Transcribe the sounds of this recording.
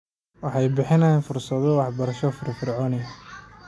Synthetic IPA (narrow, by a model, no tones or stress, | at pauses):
wɑħɑjbɪħɪnɐjaːnfʊrsɐðɔwɑħbɐɾɐʃɔfɪrfɪrʕɔːnɛj